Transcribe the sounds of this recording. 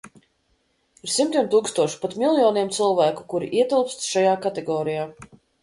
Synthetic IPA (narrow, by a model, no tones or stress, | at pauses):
iɾsimt̪iɛmt̪uːkst̪uɔʃu̥pat̪mʲilˠjɔːniɛmt̪sɨlˠvæːku̥kuɾḭʔiɛt̪ilˠpst̪ʃajaːkat̪ɛɡɔːɾijaː